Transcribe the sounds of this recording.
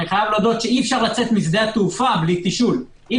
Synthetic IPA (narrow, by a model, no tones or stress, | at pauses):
niχajavlod̪ot̪ʃeiefʃaʁlat͡se̞t̪misd̪eat̪ufablit̪iʃul | ʔi